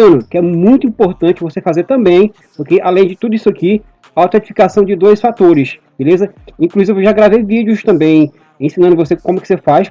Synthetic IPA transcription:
nʊkɪɛmũj̃t̪̬ʊĩpoɾt̪ɐ̃t͡ʃɪvosefazeɾt̪ɐ̃mbẽj̃ | pʊɾkeʔalẽj̃d͡ʒɪt̪ud̪ʊisʊaki | aawt̪ẽt͡ʃi̥fi̥kasɐ̃w̃d͡ʒɪd̪ojsfat̪oɾɪs | b̥elezɐĩkluzivvewʒaɡɾavejvid͡ʒjʊst̪ɐ̃mbẽj̃ | ẽsinɐ̃d̪ʊvosekõmʊkɪ̥sefajs

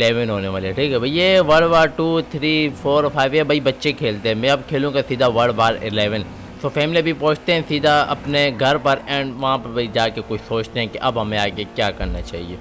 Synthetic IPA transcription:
ɪleːʋənɦoːneʋaːleɦɛʈʰiːkɦɛbʱɐijeʋɐɽʋaːɾʈuːt̪ʰɾiːpʰoːɾpʰaːɪʋebʱɐibɐtːʃekʰeːlt̪eɦɛ̃mɛ̃ɐb̚kʰeːlũkasiːd̪ʱaʋɐɽbaːɾɪ̰lɛːʋən | t̪ofɛːmɪlibʱipõːt͡ʃʰt̪eɦɛ̃siːd̪ʱaɐ̰pneɡʱɐɾpɐɾɛ̃ːɳɖʋɐɦãpɐɾbʱɐid͡ʒaːkekot͡ʃʰsoːt͡ʃt̪eɦɛ̃keʔɐbɦɐmẽaːkekjaːkɐɾnat͡ʃa̰ːɦḭḛː

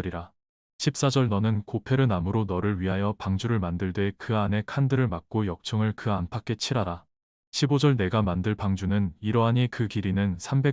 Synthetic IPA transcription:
ɾiɾa | ɕʰip̚s͈ad͡ʑʌɭnʌnɯnkopʰe̞ɾɯnamɯɾonʌɾɯɭɥiɦajʌpaŋd͡ʑuɾɯɭmandɯɭdwe̞kɯane̞kʰandɯɾɯɭmak̚k͈ojʌk̚t͡ɕʰʌŋɯɭkɯanpʰak͈e̞t͡ɕʰiɾɦaɾa | ɕʰibod͡ʑʌɭne̞ɡamandɯɭpaŋd͡ʑunɯniɾʌɦaɲikɯkiɾinɯnsʰambe̞

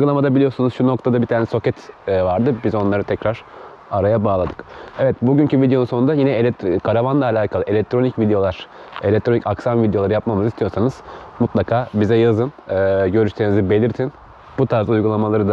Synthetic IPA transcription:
uɡulˠamad̪abilʲijo̞sunuzʃuno̞k̚t̪ʰad̪abit̪ʰaːnɛso̞cɛt̪ːvaɾd̪ɯbizo̞nlˠaɾɯt̪ʰɛcɾaɾ̥ | aɾajabaːlˠad̪ɯkɛvɛt̪buɟyncʰyvid̪ejo̞nunso̞nund̪ajinɛlʲɛkʰaɾavanlˠaːlʲaːkʰalˠɯʔe̞lʲɛc̚t̪ʰɾo̞nicvid̪ejo̞lˠaɾ̥ | elʲɛc̚t̪ɾo̞nicaksamvid̪ejo̞lˠaɾɯjap̚mamɯzist̪ʰijo̞ɾsanɯz̥mut̪lˠakʰaːbizɛjazɯnɯːɟø̞ɾyʃt̪ʰenizibe̞lʲiɾt̪ʰin | but̪ʰaɾzaujɡulˠamalˠaɾɯd̪a

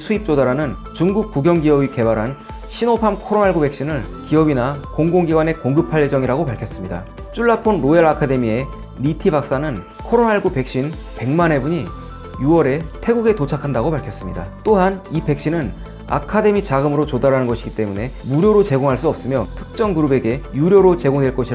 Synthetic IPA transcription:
sʰuip̚t͡ɕ͈odaɾanɯn | t͡ɕuŋɡuk̚k͈ːuɡjʌŋɡiʌbike̞baɾɦan | ɕʰinopʰamkʰoɾonaɭɡube̞kɕ͈inɯɭkiʌbinakoŋɡoŋɡiɡwane̞koŋɡɯpʰaɭje̞d͡ʑʌŋiɾaɡopaɭkʰjʌs͈ɯmɲida̰ | t͡ɕ͈uɭːapʰonɾoeɭakʰade̞mie̞ | nitʰibak̚s͈anɯn | kʰoɾonaɭɡupe̞k̚ɕ͈in | pe̞ŋmane̞buɲi | juwʌɾe̞tʰe̞ɡuɡe̞tot͡ɕʰakʰandaɡopaɭkʰjʌs͈ɯmɲḭda̰t͈oɦanipe̞k̚ɕ͈inɯn | a̰kʰade̞mit͡ɕaɡɯmɯɾot͡ɕodaɾanɯnɡʌɕʰiɡit͈e̞mune̞muɾjoɾot͡ɕe̞ɡoŋɦaɭs͈uʌp̚s͈ɯmjʌtʰɯ̥k̚t͡ɕ͈ʌŋɡɯɾube̞ɡe̞juɾjoɾot͡ɕe̞ɡoŋdwe̞ɭk͈ʌɕʰiɾ

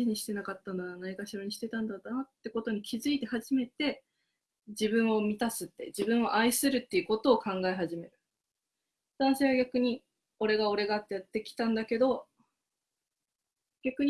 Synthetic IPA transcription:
iɲ̟iɕi̥t̪e̞nakat̪ːanoɡanaikaɕiɾoɲ̟iɕi̥t̪e̞t̪ãnd̪at̪aat̪ːe̞ko̞t̪o̞ɲ̟ikʲʰizɨit̪e̞haʑime̞t̪e̞ | d͡ʑibɯ̟̃ɰ̃o̞mʲit̪asɨt̪ːe̞̰d͡ʑibɯ̟̃ɰ̃o̞ʔaisɨɾɯ̟t̪ːe̞jɯ̟ko̞t̪o̞ːkãŋɡaeɦaʑime̞ɾɯ̟ | d̪̥anɕeβaɡʲakɯ̟ɲ̟i | o̞ɾe̞ɡao̞ɾe̞ɡat̪ːe̞jat̪ːe̞kʲi̥t̪ãnd̪ake̞d̪o̞ | ɡ̥ʲakɯ̟ɲ̟

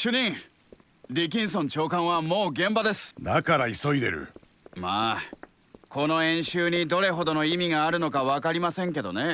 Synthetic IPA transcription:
ɕɨɲ̟ĩ | ɾʲik̬ʲĩɰ̃sõ̞ɲt͡ɕo̞ːkãɰ̃βamo̞ːɡẽ̞mbad̪e̞sɨ̥d̪akaɾaiso̞id̪e̞̰ɾɯ̟̰ | maː | ko̞no̞ẽ̞ɰ̃ɕɨːɲ̟id̪o̞ɾe̞ɦo̞d̪o̞no̞imʲiɡaːɾɯ̟no̞kaβakaɾʲimasẽ̞ŋke̞d̪o̞̰ne̞

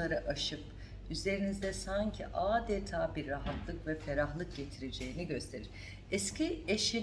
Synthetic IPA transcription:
aɾɯʔaʃɯp | yze̞ɾinizd̪ɛsaɲcʰḭʔaːd̪ɛt̪ʰaːbiɾːaɦat̪ʰlˠɯkvɛfeɾaxlˠɯk̚ɟ̥e̞t̪ʰiɾed͡ʒe̞jiniɟø̞st̪ʰe̞ɾiɾ | ɛscʰieʃi

